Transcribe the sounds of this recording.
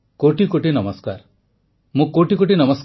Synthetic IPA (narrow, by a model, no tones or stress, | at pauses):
koʈikoʈinʌmɔskaɾ | mũkoʈikoʈinɔmɔsk